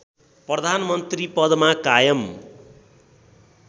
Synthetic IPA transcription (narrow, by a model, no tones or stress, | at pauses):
prʌd̪ʱanmʌnt̪ripʌd̪makajʌm